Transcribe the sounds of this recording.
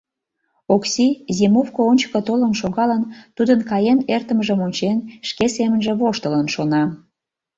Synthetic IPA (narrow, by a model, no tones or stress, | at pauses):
oksizemufkoonʲt͡ɕə̥kət̪olənʃoɣɑlənt̪ud̪ənkɑjenert̪əməʒəmonʲt͡ɕenʃkesemənʒeβoʃt̪ələnʃonɑ